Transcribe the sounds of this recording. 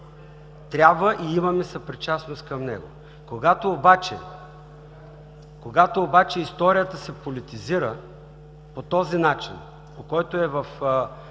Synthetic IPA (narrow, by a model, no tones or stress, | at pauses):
t̪ɾʲabvəʔiimɐmɛsɐpɾit͡ʃasnost̪kɐmnɛ̰ɡo̰ | koɡat̪oːbat͡ʃɛ̰ | koɡat̪oːbat͡ʃɛist̪ɔɾijət̪əsɛpolit̪iziɾə | pot̪ɔzinat͡ʃin | pokɔjt̪oɛvɐf